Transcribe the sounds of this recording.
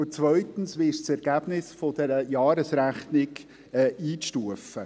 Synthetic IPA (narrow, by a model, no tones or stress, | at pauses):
ʊt͡svœʏt̪ən̩sʋɪʃt͡sɛɾɡ̥æb̥nɪsfɔd̥ɛɾəjɑːɾəsɾæχnɪk | ɛːiːʃtuəfə